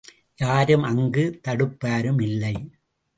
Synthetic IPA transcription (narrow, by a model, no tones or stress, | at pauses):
jaːɾɯmɐŋɡɯt̪ɐɽɯpːaːɾɯmɪlːɐɪ